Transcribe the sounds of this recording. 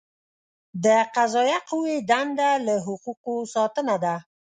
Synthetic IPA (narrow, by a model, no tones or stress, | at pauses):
d̪əqazɑjaquwed̪and̪alaɦʊquqosɑt̪ənad̪a